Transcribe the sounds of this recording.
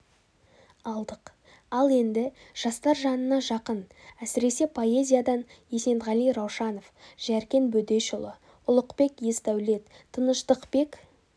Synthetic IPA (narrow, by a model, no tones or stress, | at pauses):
ɑlˠd̪əq | ɑlˠe̞nd̪ɪʒ̥ɑst̪ɑɾʒɑnənɑʒɑqənæsɪɾe̞se̞pʰo̞e̞zʲijad̪ɑnje̞se̞nt̪ʁɑlˠijɾɑwʃɑno̞fʒ̥æɾkʲe̞nbɵd̪e̞ʃʊlˠə | ʊlˠəqpe̞kjest̪æwle̞t̪ʰːənəʃt̪əqpe̞k